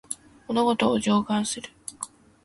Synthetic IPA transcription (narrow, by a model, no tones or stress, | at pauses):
monoɡo̞t̪oːʑo̞ːɡãɰ̃sɨɾɯ̟